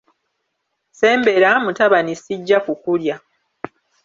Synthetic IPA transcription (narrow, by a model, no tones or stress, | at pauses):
se̞ːmbe̞ɾamutaβanisiɟːakukulja